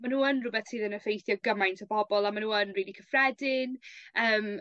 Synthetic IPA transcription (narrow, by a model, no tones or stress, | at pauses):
manuːənrʊbɛθsɨːðənəfejθjɔɡəmajntʰəbɔbɔlˠamanuːənriːlˠikʰəfrɛdɪnəːm